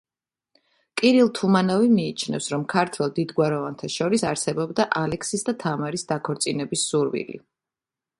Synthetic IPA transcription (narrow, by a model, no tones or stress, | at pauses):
kʼiɾilˠt̪ʰumanɔvimiːt͡ʃʰnɛ̰fsɾɔmkʰaɾt̪ʰwɛlˠd̪id̪ɡwaɾɔvant̪ʰaʃɔɾisaɾsɛbɔbd̪aʔalɛksisd̪at̪ʰamaɾisd̪akʰɔɾt̪sʼinɛbisːuɾvḭlḭ